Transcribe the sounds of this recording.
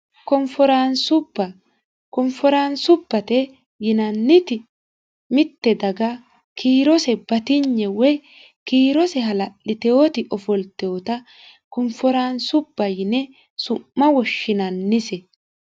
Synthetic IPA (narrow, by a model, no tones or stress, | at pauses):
kɔmfɔɾansʊbːɐ | kɔmfɔɾaːnsʊbːɐt̪ɛ | jɪnɐnːɪt̪ɪ | mɪt̪ːɛd̪ɐɡɐ | kʰiːɾɔsɛbɐt̪ɪɲːɛwɛj | kiːɾɔsɛɦɐlɐʔɪt̪ɛot̪ɪʔɔfɔlt̪ːɛɔt̪ɐ | kɔmfɔɾaːnsʊbːɐjɪnɛ | sʊmːɐwɔʃːɪnɐnːɪsɛ